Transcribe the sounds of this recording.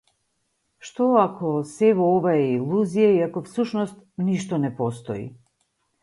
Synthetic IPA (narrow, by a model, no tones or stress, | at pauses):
ʃt̪ɔakʰɔsɛvɔɔvaɛilˠuzijaiakɔfsuʃnɔst̪niʃt̪ɔnɛpɔst̪ɔ̰ḭ